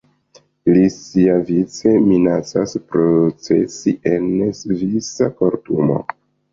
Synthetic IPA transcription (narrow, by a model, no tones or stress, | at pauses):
lisiavit͡se̞minat͡saspɾot͡se̞̰siʔe̞nsvisako̞ɾtumo̞̰